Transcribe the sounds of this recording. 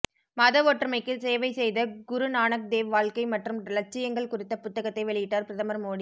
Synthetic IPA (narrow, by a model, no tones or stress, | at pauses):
mɐðɐʋoːʈːrɐmɐɪkːɯseːʋɐɪsɛjðɐɡʊɾɯnaːnɐk̚d̪eːʋʋaːɭkɐɪmɐʈrɯmdɐlɐɾt͡ʃːɪjɐŋɡɐɭkʊrɪt̪ːɐpʊt̪ːɐɣɐt̪ːɐɪʋɛɭɪjɪʈːaːɾpɪɾɐðɐmɐɾmoːɽi